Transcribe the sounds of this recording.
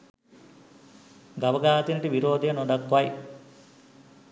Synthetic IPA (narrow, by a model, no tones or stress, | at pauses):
ɡɐbɐɡaːt̪inɐʈiʋiɾoːd̪ejɐnoɖɐkːʋɐj